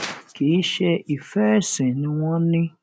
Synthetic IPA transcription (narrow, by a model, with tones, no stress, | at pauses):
ke˨i˦ʃɛ˦i˨fɛ˦˨sɪ̃˨nɪ̃˦wɔ̃˦nɪ̃˦